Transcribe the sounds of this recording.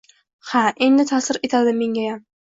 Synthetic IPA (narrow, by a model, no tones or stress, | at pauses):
haʔe̞nd̪ɪt̪ʰasɪɾe̞t̪ʰad̪ɪme̞ŋɡʲajam